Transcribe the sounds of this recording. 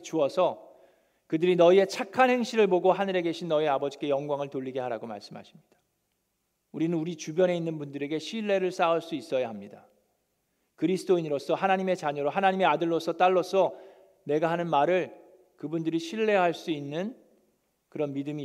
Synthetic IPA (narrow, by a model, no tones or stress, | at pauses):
t͡ɕuʌsʰʌ | kɯdɯɾinʌie̞t͡ɕʰakʰanhe̞ŋɕʰiɾɯɭboɡoɦanɯɾe̞ɡe̞ɕʰinːʌeabʌd͡ʑik͈e̞jʌŋɡwaŋɯɭtoʎːiɡe̞ɦaɾaɡoma̰ɭs͈ɯmɦha̰ɕʰi̥mɲid̥ḁ | uɾinɯnuɾit͡ɕubjʌne̞inːɯnbundɯɾe̞ɡe̞ɕʰiɭːe̞ɾɯɭs͈auɭs͈uis͈ʌjaɦamɲida | kɯɾisʰɯt͈oiɲiɾosʰʌɦanaɲime̞t͡ɕaɲʌɾoɦanaɲime̞adɯɭːosʰʌt͈aɭːʌsʰʌ | ne̞ɡaɦanɯnmaɾɯɭ | kɯbundɯɾiɕʰiɭːe̞ɦaɭs͈uinːɯn | kɯɾʌnmidɯmi